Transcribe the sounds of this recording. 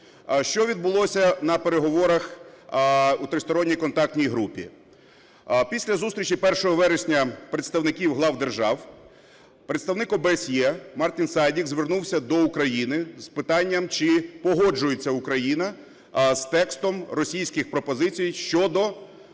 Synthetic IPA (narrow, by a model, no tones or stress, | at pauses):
ʃt͡ʃɔʋʲid̪bʊlˠɔsʲɐnɐpeɾeɦɔʋɔɾɐx | ut̪ɾɪst̪ɔɾɔnʲːijkɔnt̪ɑk̚t̪ʲnʲijɦɾupʲḭ | pʲisʲlʲɐzust̪ɾʲit͡ʃipɛrʃɔɦɔʋɛɾesʲnʲɐpɾet̪st̪ɐwnɪkʲiwɦlˠɑwd̪erʒɑw | pɾet̪st̪ɐwnɪkɔbeesʲjɛmɑrt̪ʲinsɑjdʲikzʋernuwsʲɐd̪ɔukɾɐjinɪspɪt̪ɑnʲːɐmt͡ʃɪpɔɦɔd͡ʒʊjet͡sʲːɐʊkɾɐjinɐ | st̪ɛkst̪ɔmrɔsʲijsʲkɪxpɾɔpɔzɪt͡sʲijʃt͡ʃɔd̪ɔ